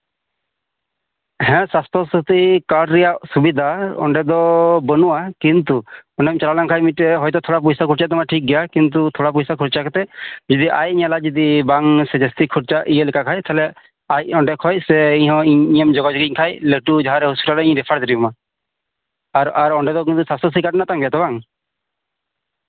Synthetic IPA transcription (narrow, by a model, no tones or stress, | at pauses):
ɦɛ̃sast̪ʰɔsɾut̪ikaɽɾɛjasubid̪ʱaɔ̰ɳɖɛd̪ɔbənuwakint̪uɔɳɖɛmt͡ʃalalaŋkʰajmiʈɛɦɔjt̪ɔt̪ʰɔɽap̬usakʰuɾt͡ʃaʔt̪ɔmaʈʰik̚ɡɛjakint̪̬ut̪ʰɔɽap̬usakʰuɾt͡ʃakʰɛt̪ɛd͡ʒid̪iʔa̰jiɲalad͡ʒid̪ibaŋsɛd͡ʒest̪ikʰuɾt͡ʃaʔijelɛkakʰajt̪ʰaɦlɛ | ajɔɳɖɛkʰɔjsɛiɲɦɔ̃iiɲemd͡ʒɔɡad͡ʒɔɡiɲkʰajleʈud͡ʒaɦaɾɛɦusu̥ʈaɾɛĩɲɾɛpʰaɾd̪iɾibɔma | aɾaɾɔɳɖɛd̪ɔk̬int̪usasɔsikaʈnat̪aŋbɛjat̪ɔbaŋ